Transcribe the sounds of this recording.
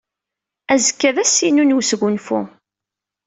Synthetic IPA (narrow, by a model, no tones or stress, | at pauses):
æzəkːæðæsinunwsɣʷunfṵ